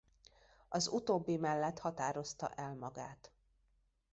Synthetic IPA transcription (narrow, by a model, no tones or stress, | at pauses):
ɒzut̪oːbːimɛlːɛt̪hɒt̪aːɾo̞st̪ɒ̰ʔɛlmɒɡaːt̪